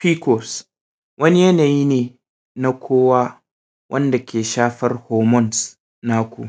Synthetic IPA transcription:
ɸiː˦kɔ˨s | wʔɐ˦ni˦jɐ˦naː˨ji˦neː˨ | na˦kʷʰoː˦waː˦ | wʔɐ˦nda˨kʲeː˨ʃaː˦ɸɐ˦rhoː˨mɔ˦˨ns | na˦kʷu˨ʔ

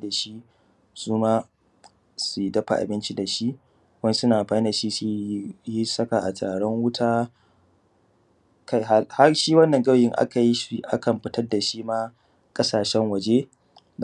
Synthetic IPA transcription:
da˨ʃi˦ | suː˦maː˦ | su˨dɐ˦ɸa̰˨ʔa̰˨bɪ˦nt͡ʃi˦da˨ʃi˦ʔ | wɐ˦n˦sʊ˦naː˨ɸaː˦da˨ʃi˦su˦ji˦sɐ˦ka˨ʔa̰˨tʰaː˨ɽɔ˦ŋwʊ˦tʰaː˦ | ka˦ha˦ha˦ʃiː˦wɐ˦nːɐ˨ŋɡɐ˦wjɪ˦ŋʔa̰˦ka˨ji˦ʔa̰˦kɐ˨mɸɪ˨tɐ˦rda˨ʃiː˦maː˦ | kʼɐ˦saː˨ʃɛ˦ŋwɐ˨d͡ʒe˦

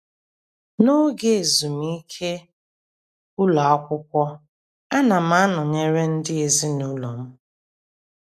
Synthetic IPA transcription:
no˦ɡe˨e˨zu˨m˦i˦kʰe˦ | ʊ˦lɔ˨a˦kʷʊ˦kʷɔ˦ | a˦na˨m̩a˦nʊ˨ɲe˨ɾe˦n̩˦dɪ˦e˨zi˦nu˦lo˨m̩˦

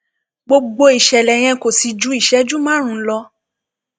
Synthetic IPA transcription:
ɡ͡bo˧ɡ͡bo˧i˨ʃɛ˨lɛ˨j̃ɛ̃˧ko˨si˨d͡ʒu˨˧˦i˦˨ʃɛ˨˦d͡ʒu˦mã˦ɾ̃ũ˨˧˦lɔ˧

